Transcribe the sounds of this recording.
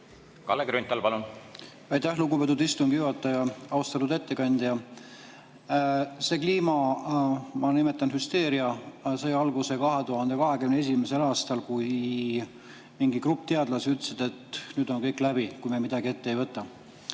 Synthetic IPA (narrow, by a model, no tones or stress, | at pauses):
kɑ̰lːekɾynt̪ːˑɑlpɑlun | ɑjt̪æhluɡube̞t̪ːˑud̪ist̪uŋɡ̥ijuɑt̪ːˑɑjɑɑust̪ɑt̪ud̪e̞t̪ːe̞kɑnʲd̪̥jɑ | se̞ːkliːmɑ | mɑnime̞t̪ːˑɑnhyst̪e̞ːɾiɑseːɑlɡuse̞kɑɦe̞t̪uhɑnd̪̥ekɑɦe̞kymnee̞s̬ʲimese̞lɑːst̪ɑlkuj | miŋɡikrup̚ːt̪eɑd̪lɑsiyt̪ːˑsed̪̥e̞t̪nyːd̪̥o̞nkɤjklæbikujmemid̪ɑɡie̞t̪ːejvɤt̪ːˑɑ